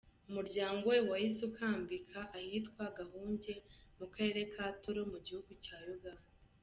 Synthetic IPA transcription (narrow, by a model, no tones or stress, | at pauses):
umuɾɟaːŋɡowewajisukʰaːmbikʰaʔahiːtkwaɡahuːɲɟe̞mukaɾe̞ːɾe̞kʰaːtoɾomuɟihuɡucaːjuɡa